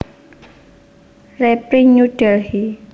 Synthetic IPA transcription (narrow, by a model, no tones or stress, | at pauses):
rɛpɾiɲuɖ̥ɛlhi